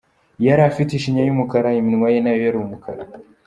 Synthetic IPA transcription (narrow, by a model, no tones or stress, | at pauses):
jɐɾafitiʃiɲjajimukɐɾajiminwajɛnajjaɾumukʰɐ̰ɾa̰